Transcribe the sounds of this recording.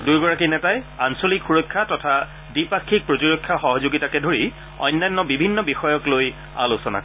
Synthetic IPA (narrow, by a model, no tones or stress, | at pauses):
dujɡɔɹakinɛtajansolikxuɹɔkʰːatɔtʰa | dipakʰːik̚pɹotiɹokʰːaxɔɦɔzoɡitakɛdʱoɹi | ɔ̰jnːajnːɔbibʱinːɔbixɔjɔkloj | a̰losɔna̰kɔ